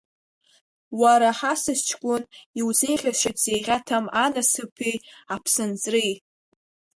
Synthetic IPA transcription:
waɾaħasɨst͡ʃʰkʷʼʊniwzejχʲaʂɪzejʁʲatʰamanasɨpʰejapʰsɨnt͡sʼrij

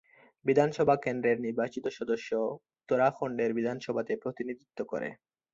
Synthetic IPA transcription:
bid̪ʱanʃɔbʱakend̪ɾeɾniɾbat͡ɕit̪oʃɔd̪oʃːo | t̪oɾakʰoɳɖeɾbid̪ʱanʃɔbʱat̪epɾot̪inid̪ʱit̪ːoko̰ɾḛ

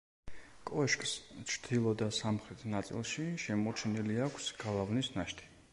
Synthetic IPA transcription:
kʼɔɛʃkʼst͡ʃʰɾd̪ʰilˠɔd̪asamχɾɛt̪ʰnat̪sʼḭlˠʃiʃɛmɔt͡ʃʰɛniliakʰsɡ̥alˠavnisnaʃt̪ʰi̥

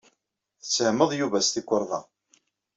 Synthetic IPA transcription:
θət͡sːəhməðˤjuvæst̪ikʷːəɾˤðˤɑ̰

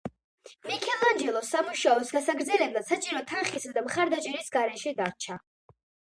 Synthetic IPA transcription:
mikʰɛlˠand͡ʒɛlˠɔsamuʃaɔsɡasaɡɾd̪zɛlɛblasat͡ʃʼiɾɔt̪ʰanχisad̪amχaɾd̪at͡ʃʼɛɾisɡaɾɛʃɛd̪aɾt͡ʃʰa

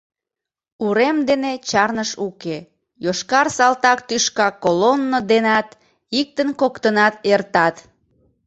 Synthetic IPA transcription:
uɾemd̪enet͡ɕɑrnəʃuke | joʃkɑrsɑlt̪ɑkt̪yʃkɑkolonːod̪enɑt̪ | ik̚t̪ənkokt̪ənɑt̪ert̪ɑt̪

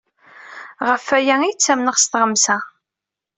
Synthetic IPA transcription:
ʁəfːæjæijt͡sːæmnəʁst̪ʁəmsæ

